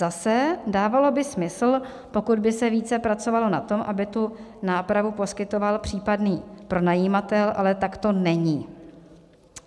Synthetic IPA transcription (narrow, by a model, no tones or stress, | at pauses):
zasɛdaːvalo̞bɪsmɪsl̩ | po̞kud̪bɪsɛviːt͡sɛpɾat͡so̞valo̞na̰t̪o̞mʔabɪt̪unaːpɾavupo̞skɪt̪o̞valpr̥iːpadniːpɾo̞najiːmat̪ɛlʔa̰lɛt̪akt̪o̞nɛɲiː